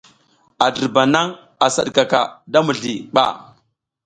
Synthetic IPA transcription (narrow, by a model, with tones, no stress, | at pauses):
a˨də˨ɾba˨na˦ŋ | a˨sa˦ɗka˨ka̰˨da˦mu˨ɮi˨ɓa̰˦˨